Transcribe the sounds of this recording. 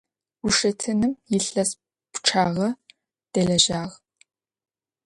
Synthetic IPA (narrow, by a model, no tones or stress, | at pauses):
ʊʂɐtʰɨnɨmjɪɬɐs | pʈ͡ʂʰaːʁɐ | d̥ɐɮɐʒaːʁ